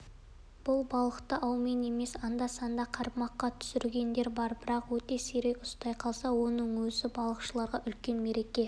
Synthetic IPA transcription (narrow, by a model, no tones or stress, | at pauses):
b̥ʊlˠbɑlˠəqt̪əʔɑwmene̞me̞sɑnd̪ɑsɑnd̪ɑqʰɑɾpmɑqːɑt̪ʰʏ̥sɪɾɡʲe̞nd̪e̞ɾbɑɾbɪɾɑqwɵt̪e̞seɾe̞kʊst̪ɑjqʰɑlˠsɑwo̞nəɴwɵzɪbɑlˠəqʃəlˠɑɾʁɑʔʏlkʲe̞nme̞ɾe̞kʲe̞